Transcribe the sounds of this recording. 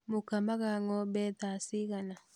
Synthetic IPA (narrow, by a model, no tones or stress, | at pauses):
mokamaɣaŋɔbɛðasiɣana